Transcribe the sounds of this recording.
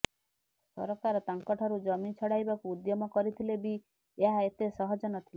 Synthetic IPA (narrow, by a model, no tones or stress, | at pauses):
sɔ̰ɾɔkaɾɔt̪aŋkɔʈʰɔɾud͡ʒɔmit͡ʃʰɔɽajbakuːd̪jɔmɔkɔɾit̪ʰilebi | eɦaet̪esɔɦɔd͡ʒɔnɔt̪ʰile